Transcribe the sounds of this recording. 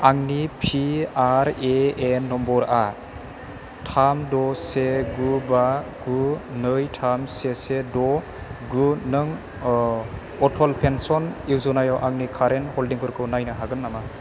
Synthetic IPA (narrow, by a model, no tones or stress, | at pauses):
aŋnipʰiaɾeenːɔmbɔɾa | tʰamdɔseɡubaɡunɯjtʰamsesedɔ | ɡunɯŋ | ɔtʰɔlpʰensɔniwzɔnajawʔaŋnikʰaɾenhɔldiŋkʰɯɾkʰɯwnajnɯɦaɡɯnːama